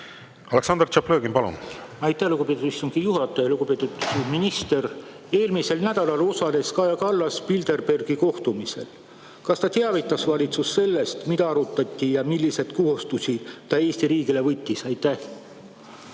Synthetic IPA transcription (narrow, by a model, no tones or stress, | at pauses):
ɑleksɑnd̪rt͡ʃɑpløːɡimpɑlṵnɑjt̪ːˑæhluɡupet̪ud̪ist̪uŋɡ̥ijuɦɑt̪ːˑɑjluɡ̥upe̞ːt̪ːˑud̪̥minist̪e̞r | e̞ːlmise̞lnæd̪̥ɑlɑlo̞sɑle̞skɑjɑkɑlːɑspild̪e̞rbe̞rɡ̥iko̞ht̪umise̞̰l | kɑst̪ɑt̪eɑvit̪ːˑɑsvɑlʲit̪susːe̞lːe̞st̪mid̪ɑɑɾut̪ːˑɑt̪ʲːˑijɑmilːise̞d̪̥kuɦust̪usʲit̪ɑe̞ːst̪iɾiːɡile̞vɤt̪ʲːˑisɑjt̪æh